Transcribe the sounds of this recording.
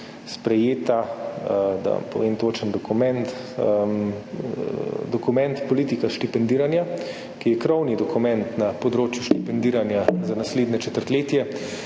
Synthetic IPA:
spɾɛjeːt̪a | d̪a̰mpɔʋeːmt̪oːt͡ʃənd̪ɔkumɛnt̪ | d̪ɔkumɛ̃nt̪pɔliːt̪ikaʃt̪ipɛnd̪iːɾanja | kijɛkɾɔwnid̪ɔkumɛ̃nt̪napɔd̪ɾoːt͡ʃjuʃt̪ipɛnd̪iːɾanjazanasleːd̪nʲɛt͡ʃɛt̪əɾt̪leːt̪jɛ

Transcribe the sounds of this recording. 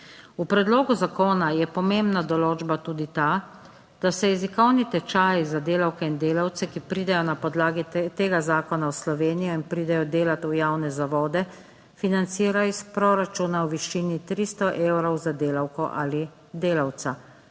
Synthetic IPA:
upɾɛd̪loːɡuzakoːnajɛpɔmembnad̪ɔloːd͡ʒbat̪uːd̪it̪a | d̪̥asɛjɛzikɔwnit̪ɛt͡ʃaːjzad̪eːlawkɛind̪eːlawt̪sɛkipɾiːd̪ɛjɔnapɔd̪laːɡit̪eːɡazaːkɔnaɔslɔʋeːnijɔinpɾiːd̪ɛjɔd̪eːlat̪ujaːwnɛzaʋɔːd̪ɛ | finant̪siːɾaispɾɔɾat͡ʃunawʋiʃiːnit̪ɾiːst̪ɔʔewɾɔwzad̪eːlawkɔʔali | d̪eːlawt̪sa

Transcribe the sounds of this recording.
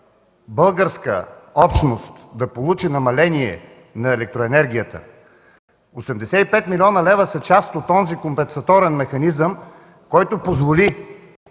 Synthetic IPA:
bɤlˠɡəɾskə̰ɔpʃnost̪d̪ɐpolˠut͡ʃinɐmɐlɛniɛ̰ | nɐɛlɛk̚t̪ɾoɛnɛɾɡʲijət̪ə̰ | osɛmd̪ɛsɛipɛt̪milʲiɔnəlɛvəsət͡ʃast̪ot̪ɔnzikompɛnsɐt̪ɔɾɛnmɛxɐnizəm | kɔjt̪opozvoli

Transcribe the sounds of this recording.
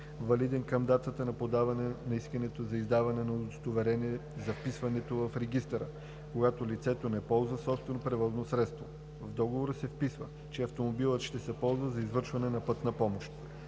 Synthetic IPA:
vɐlid̪ɛnkɐmd̪at̪ət̪ənɐpod̪avɐnɛnɐiskənɛt̪ozɐizd̪avɐnɛnɐod̪ost̪ovɛɾɛniɛzɐfpisvɐnɛt̪ovɐfɾɛɡist̪ɛɾə̰ | koɡat̪olit̪sɛt̪onɛpɔlˠzvəsɔpst̪vɛnopɾɛvɔznosɾɛt̪st̪vo | vd̪ɔɡovoɾəsɛfpisvə | t͡ʃɛɐft̪omobilˠət̪ʃt̪ɛsɛpɔlˠzvəzɐizvɤɾʃvɐnɛnɐpɤt̪nɐpɔmoʃt̪

